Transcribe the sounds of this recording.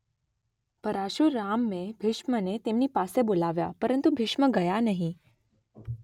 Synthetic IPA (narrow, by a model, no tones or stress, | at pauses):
pəɾaʃuɾːamːebʱɪʃmənet̪emnipasebolaʋja̰pəɾənt̪ubʱɪʃməɡəjanəɦĩ